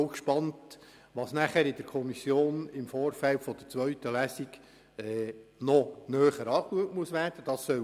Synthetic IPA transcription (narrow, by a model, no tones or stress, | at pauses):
kʃpɑnt | ʋɑːsnæχæːɾɪd̥̪əɾkʰɔmisjoːnɪmfoːɾfæltfɔd̥̪əɾt͡sʋœɥtəlæsiɡ | ɛːnɔnœːχəɾɑːkluətmuəsʋæːɾd̥əd̥ɑːsːœ